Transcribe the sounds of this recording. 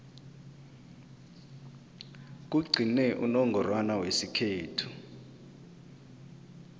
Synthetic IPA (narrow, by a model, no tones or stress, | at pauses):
k̬uɡ͡ǀʱinɛʔunɔŋɡʱɔrwanawesikʰeːtʰu̥